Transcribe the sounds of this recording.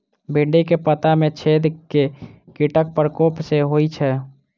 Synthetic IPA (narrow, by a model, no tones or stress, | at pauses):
bʱiɳɖikepət̪amẽt͡ʃʰeːd̪kekiʈək̚pəɾkoːpseɦoit͡ʃʰɛ